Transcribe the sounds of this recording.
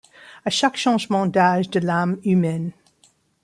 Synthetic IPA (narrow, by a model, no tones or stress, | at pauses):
əʃakʃɑ̃ʒmɑ̃d̪aʒd̪əlamymɛn